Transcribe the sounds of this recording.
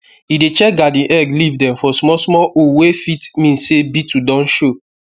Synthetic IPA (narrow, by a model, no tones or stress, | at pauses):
idet͡ʃɛk̚ɡadĩʔɛɡlivdɛ̃mfɔsmɔsmɔʔowefitmĩnsebitʰudɔ̃nʃo